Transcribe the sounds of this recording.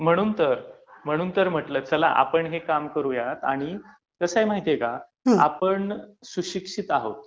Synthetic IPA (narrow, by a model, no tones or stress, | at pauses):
m̤əɽ̃uːnt̪əɾ | m̤əɽ̃uːnt̪əɾm̤əʈləːt͡səla̰ʔa̰pəɳɦekamkəɾujat̪a̰ɽ̃i | kəsaɦimaɦit̪jeka | a̰pəɳsuɕikʂit̪aɦot̪̚